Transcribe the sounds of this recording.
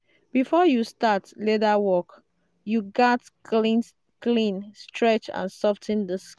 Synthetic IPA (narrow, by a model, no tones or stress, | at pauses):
b̥ifɔjustatledawɔk | juɡati | klĩnstʰɹɛt͡ʃã̰nsɔftʰĩndəs